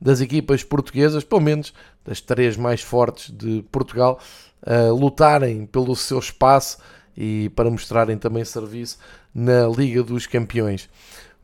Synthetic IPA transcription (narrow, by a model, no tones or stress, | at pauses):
d̪ɐzikipɐʃpuɾt̪uɣezɐʃpelˠumenuʒ̥ | d̪ɐʃt̪ɾeʒmajʃfɔɾt̪ʒ̥ðɨpuɾt̪uɣalˠ | ɐlˠut̪aɾɐ̃j̃pelˠusewʃpasu̥ | ipɐɾɐmuʃt̪ɾaɾɐ̃j̃t̪ɐ̃mbɐ̃j̃sɨɾvisu̥ | nɐlˠiɣɐðuʃkɐ̃mpiõj̃ʃ